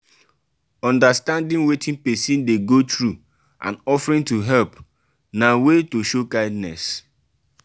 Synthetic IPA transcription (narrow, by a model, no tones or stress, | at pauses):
ɔ̃ndastãndĩnwetʰĩnpesĩndeɡotɹu | ʔã̰nɔfɹĩntuɦɛlp | nawetoʃokaɪdnɛs